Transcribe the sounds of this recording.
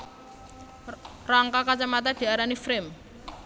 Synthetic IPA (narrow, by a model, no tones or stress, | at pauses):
raŋkakat͡ʃamat̪̬ad̪̥i̤aɾanifɾɪm